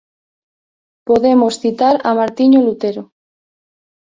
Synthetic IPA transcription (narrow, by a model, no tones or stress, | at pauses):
poðemosθit̪aɾamaɾt̪iɲolut̪eɾo